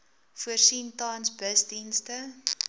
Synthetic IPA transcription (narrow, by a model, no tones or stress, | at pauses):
fuərsintɑːnsbəsdinstə